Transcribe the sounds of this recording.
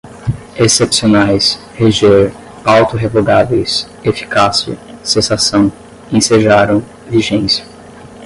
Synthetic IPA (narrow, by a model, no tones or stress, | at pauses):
esepsionajs | heʒeɾ | awt̪ʊɦevoɡavejs | efi̥kasiɐ̰sẽsasɐ̃w̃ | ẽseʒaɾɐ̃w̃ | viʒẽsjɐ̥